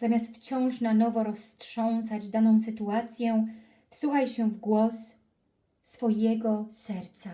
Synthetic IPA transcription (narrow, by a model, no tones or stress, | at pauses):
z̥amʲast̪ft͡ɕɔ̃w̃ʂnanɔvɔɾɔstʂɔ̃w̃sad͡ʑd̪anɔ̃w̃sɘt̪uat̪sʲjɛ̃ | fsuxajɕɛvɡwɔsː | fɔjɛɡɔsɛɾt̪sa